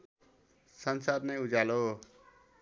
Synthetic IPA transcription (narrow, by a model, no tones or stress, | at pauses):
sʌnsad̪nʌjud͡zalo